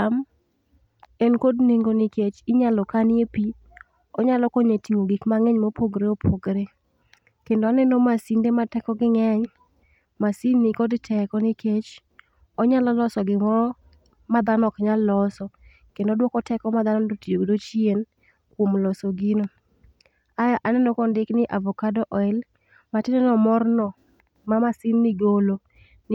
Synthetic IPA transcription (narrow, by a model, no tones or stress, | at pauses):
am | ɛnkodniŋɡoniket͡ʃɪɲalɔkanɪepi | ɔɲalɔkɔɲetiŋoɡikmaŋɛɲmopʰoɡɾeopʰoɡɾe | kendoanɛnomasindematɛkɔɡɪŋɛɲ | masinːɪkɔdtʰɛkɔnɪket͡ʃ | ɔɲalɔlɔsɔɡɪmɔɾ | mad̪anɔkɲalːɔsɔ | kendɔdwɔkɔtʰɛkɔmad̪anɔdotioɡdot͡ʃien | kwomlɔsoɡino | ajaʔanɛnokondɪknɪʔavɔkadɔʔɔɪl | matɪnɛnɔmɔrnɔ | mamasinːɪɡolo | n